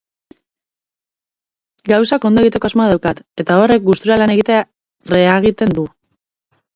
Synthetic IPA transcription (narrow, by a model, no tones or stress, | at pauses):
ɡawsako̞nd̪oe̞ɣit̪e̞ko̞azmoaðawkat̪e̞t̪ao̞re̞k̚ɡust̪uɾalane̞ɣit̪ea | re̞aɣ̞it̪e̞nd̪u